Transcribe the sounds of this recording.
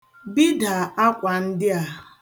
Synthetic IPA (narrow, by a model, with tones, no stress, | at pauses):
bi˦da˨a˦kʷa˨n̩˦dɪ˦a˨